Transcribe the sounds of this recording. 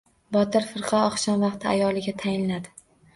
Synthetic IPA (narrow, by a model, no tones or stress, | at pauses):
bɒt̪ʰɪɾfɪɾqʰɑɒχʃɒnvɑqt̪ʰɪajɒlˠɪɡʲat̪ʰajɪnlad̪ɪ